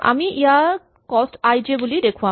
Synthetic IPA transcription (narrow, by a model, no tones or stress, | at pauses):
a̰miʔeaɾ | kɔsʈajd͡ʑebulid̪ekʰua